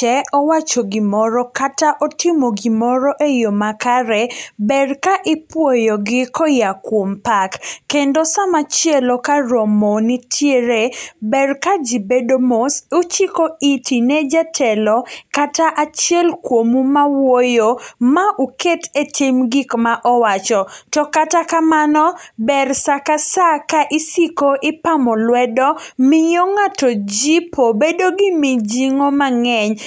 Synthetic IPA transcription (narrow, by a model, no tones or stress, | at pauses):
t͡ʃɛɔwat͡ʃoɡɪmɔɾɔkataʔɔtɪmoɡɪmɔɾɔʔejomakaɾɛbɛrkaʔɪpwojɔɡɪkɔjakwompakːendosamat͡ʃjɛlɔkaɾomonitʰjeɾebɛrkad͡ʒibedomosot͡ʃikoitinɛd͡ʒatʰɛlɔkataʔat͡ʃjɛlkwomumawojomaʔuketetʰimɡikmaʔɔwat͡ʃɔtɔkatakamanɔbɛrsakasakaʔɪsikoʔɪpamɔlwɛdɔmɪjoŋatɔd͡ʒipʰobedoɡɪmɪd͡ʒiŋomaŋɛɲ